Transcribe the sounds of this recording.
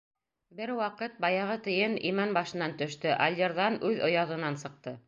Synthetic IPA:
bɘɾwɑqɤt̪̚bɑjɑʁɤt̪ɘ̆jɘnḭmænbɑʃɤ̆nɑnt̪ɵ̆ʃt̪ɵʔɐlʲd̪ʲeɾðɑnʉðŏjɑðɤ̆nɑnsɤ̆q̚t̪ɤ

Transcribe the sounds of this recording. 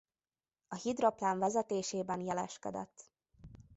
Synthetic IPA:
ɒhid̪ro̞plaːɱvɛzɛt̪eːʃeːbɛnjɛlɛʃkɛ̰d̪ɛ̰t̪ː

